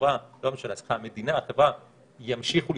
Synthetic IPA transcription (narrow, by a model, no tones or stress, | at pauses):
aloameʃalasχamed̪inaːχevʁa | jamʃiχul